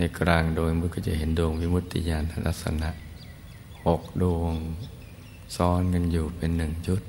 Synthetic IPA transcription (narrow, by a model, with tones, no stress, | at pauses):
na˧˩kɾaː˧ŋdoː˧jmɯ˧˥kɔ˧˩t͡ɕa̰˧˩ɦe˨˦nduː˧əŋwi˦˧˥mu˧t̪ʰːḭ˧jaː˧˩nt̪ʰa˧la˧˥k̚sa̰˧na˧˦ʔ | ho˨˩k̚doː˧əŋ | sɔː˦˥nŋa˧njuː˨˩pe˨nːɯ˨˩ŋt͡ɕu˦t̪̚